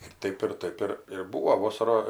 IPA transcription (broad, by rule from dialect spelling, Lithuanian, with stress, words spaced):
ɪr ˈtɐɪp ɪr ˈtɐɪp ɪr ɪr ˈbuːʋoː ˈʋoːsɐrɐ